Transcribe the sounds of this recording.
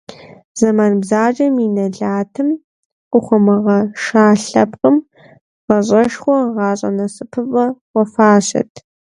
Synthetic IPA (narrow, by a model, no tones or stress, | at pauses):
z̥ɐmaːnbzaːd͡ʒʼɐminɐɮaːtʰɨm | qʷʼʊχʷɔmɨʁɐʃaːɬɐpqʼəm | ʁɐɕʼɐʂχʷɔʁɑːɕʼɐ̰nɐsɨpʰɨpʼɐwʷɔfaːɕɐ̰tʰ